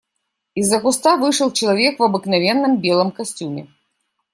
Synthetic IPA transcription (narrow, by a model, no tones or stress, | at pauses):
izːɐkust̪avɨʂɐlˠt͡ʃɐlˠavʲɛkvɐbɨknavʲɛnːɨmbʲɛlˠɐmkasʲt͡sʲumʲɛ̰